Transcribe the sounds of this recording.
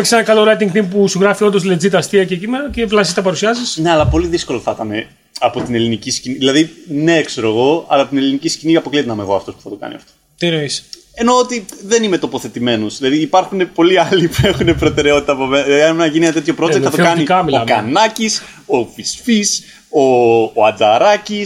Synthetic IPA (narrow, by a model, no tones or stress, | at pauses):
çi̥senɐkɐloɾɐt̪iŋkt̪impusuɣɾɐfio̞nd̪o̞sled͡zit̪ɐst̪iɐcecimeɾɐceplɐsist̪ɐpɐɾusiɐzisne̞ɐlɐpo̞liðisko̞loθɐt̪ɐne̞ | ɐpo̞t̪ine̞linicisciniðilɐðineekse̞ɾo̞eɣo̞ɐ̰lɐpot̪ine̞linicisciniɐpo̞klit̪nɐmeɣoɐft̪o̞spu̥θɐt̪o̞kɐ̰nḭɐ̰ft̪ot̪inois | e̞noot̪iðenime̞t̪opo̞θe̞t̪ime̞nozðilɐðiːpɐɾxune̞po̞liɐlipue̞xune̞pɾo̞t̪e̞ɾeo̞t̪it̪ɐpomenɐnmenɐʝinit̪eçopɾoeθɐt̪oɐnikɐmioɐkɐnɐcis | ofisfis | oɐd͡zɐɾɐci